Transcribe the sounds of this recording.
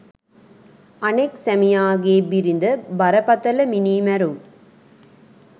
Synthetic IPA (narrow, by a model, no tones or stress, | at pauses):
ɐnɐksɐmɪjaːɣeːbɪɾɪnd̪ɐbɐɾɐpːɐt̪ːɐlɐmɪniːmɐɾɯm